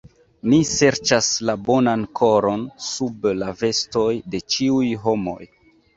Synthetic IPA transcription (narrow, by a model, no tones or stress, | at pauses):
mise̞ɾt͡ʃaslabo̞nankʰo̞ɾo̞nsublave̞sto̞jde̞t͡ʃiujɦo̞mo̞̰j